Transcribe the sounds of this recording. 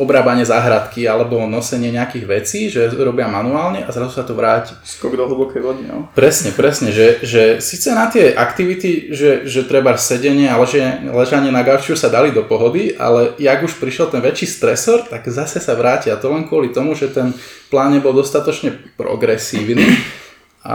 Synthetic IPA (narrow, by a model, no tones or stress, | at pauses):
ɔbɾaːbaɲɪɛzaːɦɾat̪kialɛbɔnɔsɛɲɪɛɲɛakiːɣʋɛt͡siːʒɛɾɔbɪamanuaːlɲɛʔazɾazusat̪ɔʋɾaːci̥skɔɡd̪ɔɦl̩ˠbɔkɛjʋɔd̪ia̰pɾɛsɲɛpɾɛsɲɛʒɛʒɛsit͡sɛnat̪ɪɛʔa̰kt̪iʋit̪iʒɛʒɛt̪ɾɛbasɛɟɛɲɪɛalɛʒɛlɛʒaɲɪɛnaɡaʊt͡ʃɪusad̪alid̪ɔpɔɦɔd̪iʔa̰lɛaɡuʃpɾiʃjɛlt̪ɛnʋɛt͡ʃiːst̪ɾɛsɔɾt̪aɡzasɛsaʋɾaːciat̪ɔlɛnkʊɔlit̪ɔmuʒɛt̪ɛnplaːnɲɛbɔlˠd̪ɔst̪at̪ɔt͡ʃɲɛpɾɔ̰ɡɾɛsiːʊniː | a̰